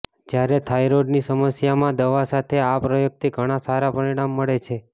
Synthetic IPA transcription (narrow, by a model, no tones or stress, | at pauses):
d͡ʒjaɾet̪ʰajɾoɖnisəməsjamãd̪əʋasat̪ʰeapɾəjoɡ̚t̪ʰiɡʱəɽ̃asaɾapəɾiɽ̃amːəɭet͡ʃʰe